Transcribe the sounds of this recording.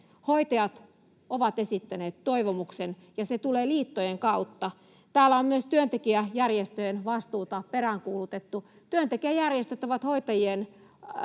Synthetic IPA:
hoit̪ɑjɑt̪ | oʋɑt̪esit̪ːæneːt̪toiʋomuksenjɑset̪uleːliːt̪ːojeŋkɑut̪ːɑ | t̪æːlːæommyøst̪yønt̪ekiæjærjest̪øjenʋɑst̪uːt̪ɑperæŋkuːlut̪et̪ːu | t̪yønt̪ekiæjærjest̪øt̪oʋɑt̪hoit̪ɑjien

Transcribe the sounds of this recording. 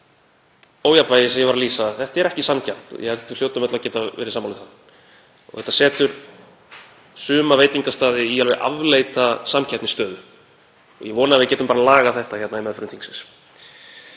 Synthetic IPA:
oːwjapvaːjɪsɛmjɛvaɾaliːsaθɛht̪aɛɾɛhcɪsamcʰan̥t̪ɔ̰jɛ̰hɛv̥t̪ːɪ̥ljowt̪ʏmɛt̪lacɛːt̪aɛ̰ːɾɪsaːmːalʏ̥θan | ɔ̰ɣθɛht̪asɛːt̪ʏɾ̥ | sʏːmaveːjt̪iŋkast̪aːðɪialvɛɣʔa̰vleːjt̪asamcʰaht̪nɪst̪œːðʏ | ɔ̰jɛvɔːnavɪðcɛːt̪ʏmpaɾalaːɣaθɛht̪açɛt̪naðimɛðfœɾʏnθiŋksɛns

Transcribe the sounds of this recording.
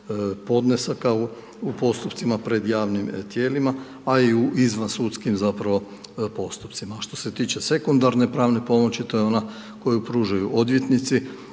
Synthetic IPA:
po̞d̪nesakau | upo̞st̪upt̪simapɾe̞d̪jaːʋnimt̪je̞ːlimaː | iuizʋansuːt̪skimzapɾaʋo̞ | po̞st̪u̥pt̪simaʃt̪o̞̥se̞t̪iːt͡ʃese̞kund̪aɾne̞pɾaːʋne̞po̞mo̞t͡ɕit̪o̞jeo̞na | ko̞jupɾuːʒajuʔo̞d̪ʋje̞t̪nit̪si

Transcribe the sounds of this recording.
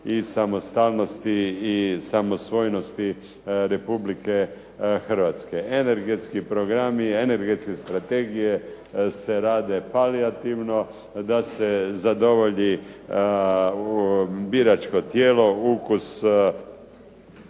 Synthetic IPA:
isamost̪alnost̪iːsamo̞sʋo̞jno̞st̪i | ɾe̞publike̞ | xər̩ʋat̪skeene̞ɾɡet̪skipɾoɡɾamiene̞ɾɡe̞t̪skest̪ɾat̪e̞ɡije | seɾaːd̪epaliat̪iʋno̞ | d̪asezad̪o̞ʋo̞ʎi | biɾat͡ʃkot̪jeːlo̞ukus

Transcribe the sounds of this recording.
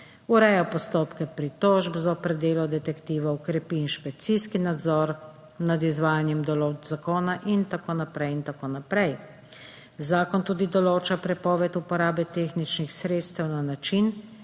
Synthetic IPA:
uɾɛjapɔst̪oːpkɛpɾit̪ɔːʒbzɔpɾɛd̪eːlɔd̪ɛt̪ɛkt̪iːʋɔɔkɾɛpiːnʃpɛk̚t̪siskinad̪zɔːɾ | nad̪izʋaːjanjɛmd̪ɔloːd͡ʒzakoːnaʔint̪akoːnapɾɛjint̪akoːnapɾɛj | zaːkɔnt̪uːd̪id̪ɔloːt͡ʃapɾɛpɔːʋɛt̪upɔɾaːbɛt̪exnit͡ʃnixsɾeːt̪st̪ɛwnanat͡ʃin

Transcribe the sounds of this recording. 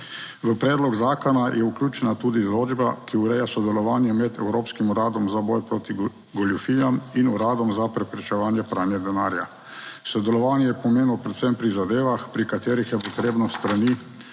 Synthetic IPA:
ʋəpɾɛːd̪lɔɡzaːkɔnajʔɛukljuːt͡ʃɛnat̪uːd̪id̪ɔloːd͡ʒbakiuɾɛjasɔd̪ɛlɔʋaːnjɛmɛd̪ɛ̰wɾoːpskimuɾaːd̪ɔmzabɔjpɾoːt̪i | ɡɔlufijaminuɾaːd̪ɔmzapɾɛpɾɛt͡ʃɛʋaːnjɛpɾaːnjɛd̪ɛnaːɾja̰ | sɔd̪ɛlɔʋaːnjɛjɛpɔmeːnɔpɾɛt̪sɛmpɾizad̪eːʋaxpɾikat̪eːɾixjɛpɔt̪ɾeːbnɔst̪ɾaniː

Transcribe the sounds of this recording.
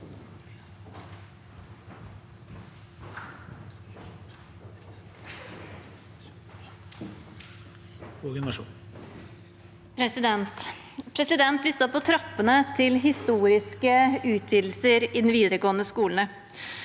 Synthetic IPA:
uɡɛnʂṵː | pʰɾɛsɪd̪ɛnt̪ | pʰɾɛsɪd̪ɛnt̪ʋɪst̪əɔpʰːɔt̪ʰɾɑpːənət̪ʰɪlɦɪst̪uːɾɪskəʉːt̪ʰʋiːd̪l̩səɾɪd̪n̩ʋiːd̪əɾəɡoːnəskuːln̩ə

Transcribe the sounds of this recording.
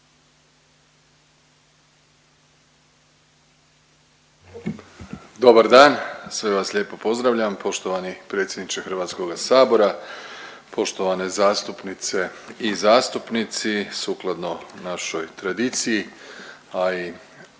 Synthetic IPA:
d̪o̞baɾd̪aːnsʋe̞ʋasʎeːpo̞po̞zd̪ɾaʋʎampo̞ʃt̪oʋanipɾe̞ːt̪sʲje̞d̪nit͡ʃexr̩ʋaːt̪sko̞ɡasaːbo̞ɾa | pʰo̞ʃt̪o̞ʋane̞zaːst̪upnit̪se̞izaːst̪upnit̪sisuːklˠad̪no̞naʃojt̪ɾad̪iːt̪siji | ai

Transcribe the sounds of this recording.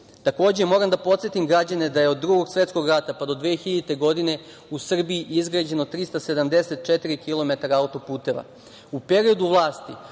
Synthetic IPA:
t̪ako̞ːd͡ʑe̞mo̞ːɾamd̪apo̞t̪sjet̪imɡɾad͡ʑaned̪aje̞o̞d̪ːɾuɡo̞ɡsʋe̞t̪sko̞ɡɾat̪apad̪o̞d̪ʋeːxiʎeit̪e̞ɡo̞d̪ine̞ | usr̩biiizɡɾad͡ʑe̞no̞t̪ɾist̪ase̞d̪amd̪e̞se̞t̪̚t͡ʃet̪iɾikilˠo̞met̪aɾaaut̪o̞puːt̪e̞ʋa̰ | upe̞ɾio̞d̪uʋlˠaːst̪i

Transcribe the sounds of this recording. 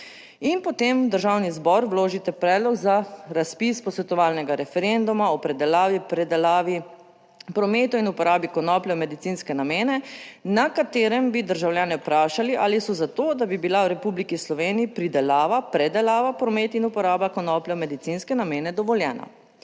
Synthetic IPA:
inpɔt̪eːmd̪əɾʒaːwnizbɔɾwloːʒit̪ɛpɾɛːd̪lɔɡzaɾaspispɔsʋɛt̪ɔʋaːlnɛɡaɾɛfɛɾend̪umaɔpɾɛd̪ɛlaːʋipɾɛd̪ɛlaʋi | pɾɔmeːt̪ɔinupɔɾaːbikɔnɔːpljɔmɛd̪it̪siːnskɛnameːnɛnakat̪eːɾɛmbid̪əɾʒawljaːnɛupɾaːʃaliʔaːlisɔzat̪oːd̪abibilawɾɛpublikislɔʋeːniipɾid̪ɛlaːʋapɾɛd̪ɛlaːʋapɾɔmeːt̪inupɔɾaːbakɔnɔpljɛmɛd̪it̪inskɛnameːnɛd̪ɔʋɔljɛːna̰

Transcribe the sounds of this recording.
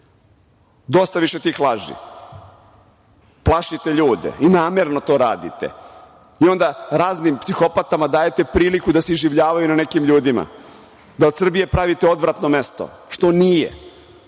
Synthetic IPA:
d̪o̞st̪aʋiʃe̞t̪iːxlˠaʒḭ | plˠaʃit̪eʎuːd̪ḛinaːmeɾnot̪o̞ːɾaːd̪ḭt̪ḛ | io̞nd̪aɾaːznimpsixo̞pat̪amad̪aːje̞t̪e̞pɾiːlikud̪aseizʒiʋʎaːʋajunane̞kimʎuːd̪ima̰ | d̪ao̞d̪sr̩bije̞pɾaʋit̪eo̞d̪ʋɾat̪no̞me̞st̪o̰ | ʃt̪o̞nijḛ

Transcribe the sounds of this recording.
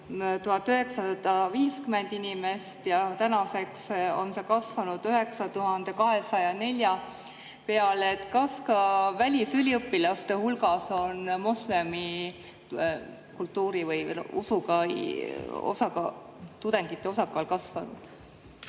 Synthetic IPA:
t̪uhɑt̪ːˑyɦe̞ksɑsɑd̪̥ɑviːskyme̞nd̪̥inime̞st̪jɑt̪ænɑse̞kso̞̰nsɑkɑsvɑnud̪̥yɦe̞ksɑt̪uɦɑnd̪̥e̞kɑɦe̞sɑjɑne̞lʲjɑ | pe̞ɑlet̪ːˑkɑskɑvælʲisylʲiɤpːilɑst̪e̞hulɡɑso̞nmo̞sle̞mi | kult̪ːuːɾivɯjṵsuɡɑj | o̰sɑkɑ | t̪ud̪̥e̞ŋɡ̥it̪ːˑeo̞sɑkːˑɑlkɑsvɑnṵd̪̥

